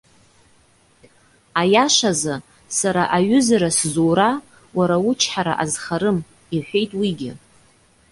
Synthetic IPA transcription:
ajaʂaza | saɾaʔaɥʏzaɾaszowɾa | waɾawʊt͡ʃʰħaɾa̰ʔazχaɾɨm | iħʷᶣe̞jtʼwiɡʲɪ

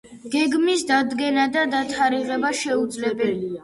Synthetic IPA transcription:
ɡ̥ɛɡmisd̪ad̪ɡɛnad̪ad̪at̪ʰaɾiʁɛbaʃɛud̪zlɛbɛlia

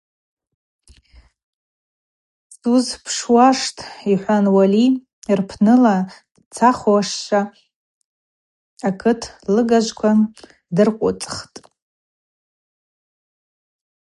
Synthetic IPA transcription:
suzpʰʂwaʂtʰʼiħʷanwali | rpʰnɨla | t͡sʰaχoʂʃa | akʰɨtʰlɨɡaʒʷkʷʰa | dɨrqʷʼʊ̰t͡sʼχtʼ

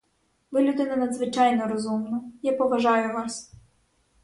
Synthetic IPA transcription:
ʋɪlʲʊd̪ɪnɐnɐd̪zʋɪt͡ʃɑjnɔɾɔzumnɐjapɔʋɐʒɑjʊʋɑs

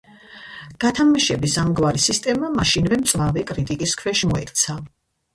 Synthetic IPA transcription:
ɡ̥at̪ʰamaʃɛbisamɡwaɾisist̪ʼɛmamaʃinvɛmt̪sʼvavɛkʼɾit̪ʼikʼiskʰwɛʃmɔɛkʰʼt̪sʰa

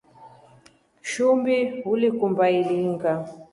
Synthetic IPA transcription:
ʃumbiɦulikumbailiŋɡa

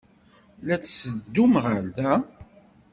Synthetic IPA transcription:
læt͡ssəd̪ːumʁəɾðæ

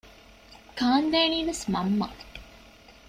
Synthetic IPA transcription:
kaːnd̪eːniːʋesmɐmːɐ̰

